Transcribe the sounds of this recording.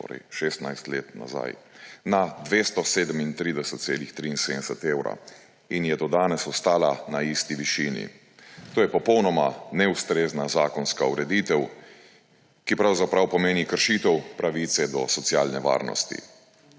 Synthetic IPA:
t̪o̰ːɾɛ̰jʃest̪najst̪lḛːt̪na̰za̰jnad̪ʋeːst̪ɔseːd̪əmint̪ɾiːd̪ɛsɛt̪̚seːlixt̪ɾiinsed̪ɛsɛt̪eːwɾa̰ | injɛt̪oːd̪aːnɛsɔst̪aːlanaist̪iʋiʃiːnḭ | t̪oːjɛpɔpɔwnɔmanɛust̪ɾeːznazaːkɔnskauɾɛd̪it̪ɛw | kipɾawzapɾawpɔmeːnikəɾʃit̪ɛwpɾaʋit̪sɛd̪ɔsɔt̪sjaːlnɛʋa̰ːɾnɔ̰st̪ḭ

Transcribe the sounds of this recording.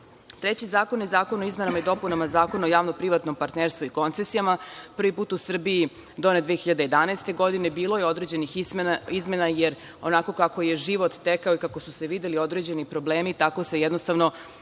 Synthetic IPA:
t̪ɾet͡ɕizaːko̞nizaːkonoizme̞namaid̪o̞punamazaːko̞nojaːʋnopɾiʋat̪no̞mpaɾt̪neɾst̪ʋuiko̞nt̪sesijamapr̩ʋipuːt̪usr̩bii | d̪oned̪ʋeexiʎad̪ejed̪anaest̪e̞ɡo̞d̪inebiːlo̞jeo̞d̪ɾed͡ʑe̞niximizme̞najeɾ | onako̞kakoje̞ʒiʋo̞t̪ːekaoikako̞suse̞ʋid̪elio̞d̪ɾe̞d͡ʑe̞nipɾoble̞ːmit̪ako̞sejɛd̪nost̪aʋno

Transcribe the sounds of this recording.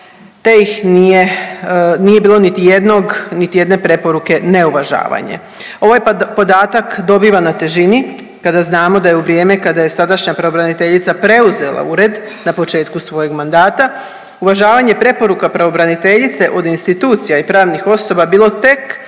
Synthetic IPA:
t̪e̞jixnije | nije̞biːlˠo̞nit̪ije̞d̪noɡnit̪ije̞d̪ne̞pɾe̞po̞ɾuke̞ne̞uʋaʒa̰ːʋa̰ɲḛ | o̞ʋajpo̞d̪aːt̪akd̪o̞biːʋanat̪e̞ʒini | kad̪aznaːmo̞d̪ajeuʋɾije̞ːme̞kad̪aje̞sad̪aʃɲapɾaʋo̞bɾanit̪e̞ʎit̪sapɾe̞uze̞lˠa̰uɾe̞d̪ | napo̞t͡ʃe̞ːt̪kusʋo̞je̞ɡmand̪aːt̪a | uʋaʒaːʋaɲe̞pɾe̞po̞ɾukapɾaʋo̞bɾanit̪e̞ʎit̪se̞ʔo̞d̪inst̪it̪uːt̪sijaipɾaːʋnixo̞so̞babiːlˠo̞t̪e̞k

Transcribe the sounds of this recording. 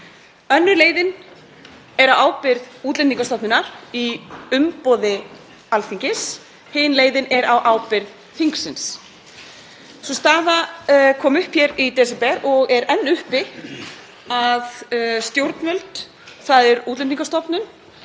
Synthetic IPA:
œnːʏɾleːjðɪn | ɛɾawaːwpɪɾðuːt̪lɛniŋkast̪ɔpnɪnaɾiʏmpɔːðɪ | alθiɲcɪs | hɪːnleːjðɪnɛɾawʔaːwpɪɾð | θiŋksɪns | sɔst̪aːðakʰɔːmʏhpçɛɾit̪ɛsɛpɛɾɔɣɛɾɛnːʏhpɪ | aðst̪jowɾt̪nmʏlt̪ | θaðɛɾuːt̪lɛniŋkast̪ɔpnʏn

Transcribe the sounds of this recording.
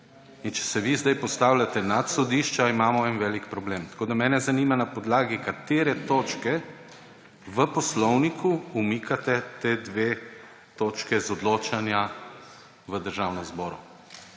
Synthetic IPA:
int͡ʃɛ̥sɛʋizd̪ajpɔst̪aːwlʲat̪ɛnat̪sɔd̪iːʃt͡ʃaimaːmɔɛnʋɛːlikpɾɔbleːmt̪koːd̪amɛːnɛzanimanapɔd̪laːɡikat̪eːɾɛt̪oːt͡ʃkɛ | ʋəpɔslɔwnikʰuumikʰat̪ɛt̪eːd̪ʋeː | t̪oːt͡ʃkɛzɔd̪loːt͡ʃanja | ʋəd̪əɾʒawnɔzbɔːɾṵ

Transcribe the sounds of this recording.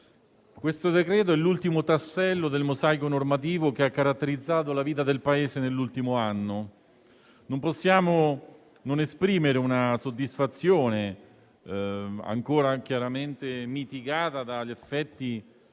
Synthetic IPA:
kwest̪od̪ekɾɛːt̪̬oɛlːult̪imot̪asːɛlːod̪elmozajkonormat̪̬iːvokeakːaɾat̪ːeɾid̪zːaːt̪olaviːt̪ad̪elpaeːsenelːult̪imoanːo | nomposːjaːmo | nonespɾiːmeɾeunasod̪ːisfat̪sːjoːne | a̰ŋkoːɾak̟jaɾament̪emit̪iɡaːt̪ad̪aʎːefːɛt̪ːi

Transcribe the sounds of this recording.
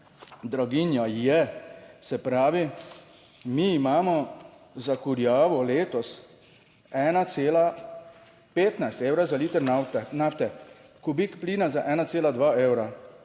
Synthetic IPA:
d̪ɾɔɡinjɔjɛsɛpɾaːʋi | miːmaːmɔ | zakuɾjaːʋɔleːt̪ɔs | ɛːnaseːla | peːt̪najst̪eːwɾazaliːt̪ɛɾnanaft̪ɛ | kubikpliːnazaʔɛːnat̪seːlad̪ʋaːeːwɾa

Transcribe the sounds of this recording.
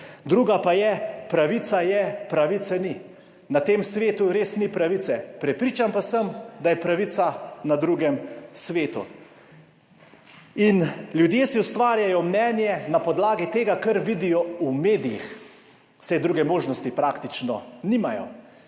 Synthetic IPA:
d̪ɾuːɡapajɛpɾaʋit̪sajɛpɾaʋit̪sɛni | nat̪eːmsʋeːt̪uɾeːsnipɾaʋit̪sɛpɾɛpɾiːt͡ʃampasəmd̪ajɛpɾaʋit̪sanad̪ɾuːɡɛmsʋeːt̪ṵ | inljud̪jeːsiust̪ʋaːɾjajɔmnɛːnjɛnapɔd̪laːɡit̪eːɡakɐɾʋid̪ijɔumeːd̪ijḭx | sɛjd̪ɾuːɡɛmoːʒnɔst̪ipɾakt̪it͡ʃnɔnimajɔ̰

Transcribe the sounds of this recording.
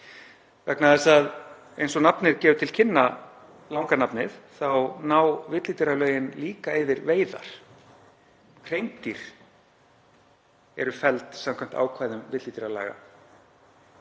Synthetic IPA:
vɛknaðɛsað | ejnsɔnapnɪɾcɛːvʏt̪ʰɪl̥cʰɪnːa | lawŋkanapnɪðθawnaːwvɪt̪lit̪ɾalœːɥjɪnliːkaɪvɪɾveːjða̰ɾ̥ | r̥ejmt̪iɾ̥ | ɛɾʏfɛlt̪samkʰajm̥t̪a̰ːwkʰvaːjðʏmvɪt̪lit̪ɪɾala̰ːɣa̰

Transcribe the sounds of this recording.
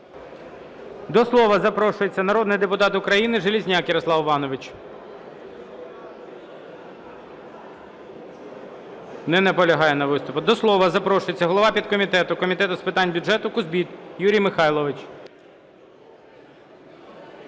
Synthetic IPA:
d̪ɔslˠɔʋɐzɐpɾɔʃʊjet͡sʲːɐnɐɾɔd̪nɪjd̪epʊt̪ɑt̪ʊkɾɐjinɪʒelʲizʲnʲakjɐɾɔslˠɑʋʋɑnɔʋɪt͡ʃ | nɛnɛpɔlʲɐɦɑjɛnɐʋɪst̪ʊpʊd̪ɔslˠɔʋɐzɐpɾɔʃʊjet͡sʲːɐɦɔlˠɔʋɑpʲid̪̚kɔmʲit̪ɛt̪ʊkɔmʲit̪ɛt̪ʊspɪt̪ɑnʲbʲʊʒɛt̪ʊkʊzbʲit̪juɾʲijmɪxɑjlˠɔʋɪt͡ʃ

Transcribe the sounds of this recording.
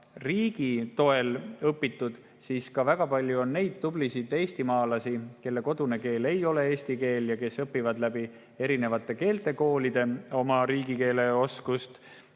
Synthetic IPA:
riːɡ̥it̪o̞e̞lɤpːˑit̪ːˑud̪̥ | siːskɑvæɡ̥ɑpɑlʲjuo̞nːe̞jd̪̥̚t̪ublisid̪e̞ːsʲt̪imɑːlɑsike̞lːe̞ko̞d̪̥une̞ke̞ːle̞jo̞le̞e̞ːsʲt̪ike̞ːljɑke̞sɤpːivɑd̪læbi | e̞ɾine̞vɑt̪ːˑe̞ke̞ːlt̪ˑe̞ko̞ːlid̪̥e̞o̞mɑɾiːɡike̞ːle̞o̞skust̪

